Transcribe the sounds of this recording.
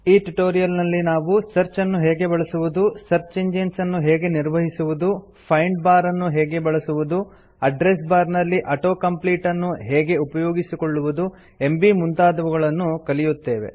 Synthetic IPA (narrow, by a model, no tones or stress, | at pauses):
iːʈuʈoːɾijɐlnɐlːinaːʋusɐɾt͡ʃɐnːuɦɛːɡe̞bɐɭɐsuʋud̪usɐɾt͡ʃeɲd͡ʒensɐnːuɦɛːɡe̞niɾʋɐɦisuʋud̪u | pʰɐjɳɖ̚baːɾɐnːuɦɛːɡe̞bɐɭɐsuʋud̪u | ɐɖɾe̞sbaːɾnɐlːiʔɐʈoːkɐmpliːʈɐnːuɦɛːɡe̞upɐjoːɡisikoɭːuʋud̪u | e̞mbimunt̪aːd̪ɐʋuɡɐɭɐnːukɐlijut̪ːe̞ːʋe̞̰